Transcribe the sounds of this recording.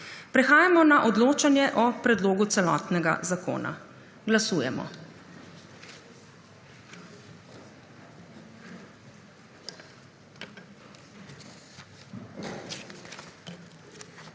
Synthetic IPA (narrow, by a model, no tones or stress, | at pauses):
pɾɛxaːjamɔnaʔɔd̪loːt͡ʃanjɛʔɔpɾɛd̪loːɡut̪sɛlɔ̰ːt̪nɛɡa̰zako̰ːna̰ | ɡlasuːjɛmɔ̰